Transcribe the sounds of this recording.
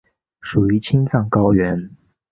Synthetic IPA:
ʂu˨˩y˧˥t͡ɕʰi˥ŋt͡sɑ˥˩ŋkɑ˥ʊɥɛ˧˥n

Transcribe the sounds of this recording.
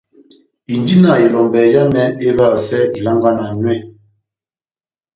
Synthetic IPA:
i˨ndi˦na˨e˨lɔ˨mbɛ˨ja˦mɛ˦e˦βa˦˨sɛ˦i˨la˦ŋɡa˦na˨nwɛ˦˨

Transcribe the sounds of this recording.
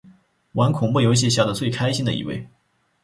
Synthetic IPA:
wa˧˥nkʰʊ˨˩ŋmɔ˥˩jo˧˥ʊɕ̬i˥˧ɕ̬ja˥˩d̪ə˩t͡swe˥˩ɪkʰa˥ɪɕi˥nd̪ə̰˨˧ḭ˧˥wḛ˥˩ɪ

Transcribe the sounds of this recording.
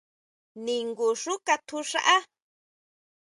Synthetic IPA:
nĩ˨ŋɡu˨ʂu˦ka˧t̪ʰu˧ʂa˦ʔa˦

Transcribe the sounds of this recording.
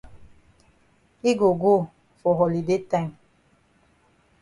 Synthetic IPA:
i˦ɡo˨ɡo˦˨ | fɔ˨ɦɔ˨li˨de˦ta˦˨ŋ

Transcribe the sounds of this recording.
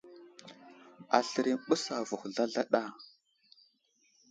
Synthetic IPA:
a˨ɬə˨ɾi˨mɓu˦sa˨vu˨xɮa˦ɮa˦ɗa˦˨

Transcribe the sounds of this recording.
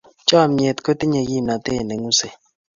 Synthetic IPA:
t͡ʃɔ˦˨me˨tko˦ti˦ɲe˨ji˦˨na˨te˦˨ne˨ŋu˦se˨

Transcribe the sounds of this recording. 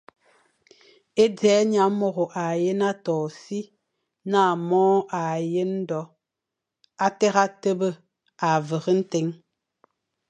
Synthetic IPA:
e˦d͡zɛː˨˦ɲa˨˦mɔ˨ɣo˨ʔa˨je˦na˦tɔː˨si˦ | naː˦˨mɔː˦ʔa˨je˦n̩˦dɔ˨˦ | a˦tɛ˦ɣa˦tə˦bə˦ | a˨və˨ɣə˦n̩˦te˨˦ŋ

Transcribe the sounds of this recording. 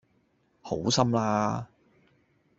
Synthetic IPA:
ho˨˥wsɐ˥mlaː˥

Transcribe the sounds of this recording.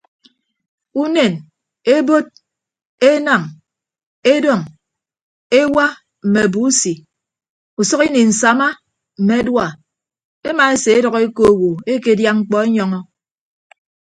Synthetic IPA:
u˦ne˨n | e˦bo˦t̚ | e˦na˨ŋ | e˦dɔ˨ŋ | e˦wa˦ | m̩˨me˨bu˨˦si˨ | u˨sɔ˦ki˦ni˨n̩˨sa˨ma˦ | m̩˨me˨˦dwa˨ | e˦ma˨e˦se˨e˦dɔ˨ɣe˦ko˦˨wo˨e˦ke˦˨dja˦ŋ͡m̩˦k͡pɔ˦e˦ɲɔ˦ŋɔ˦

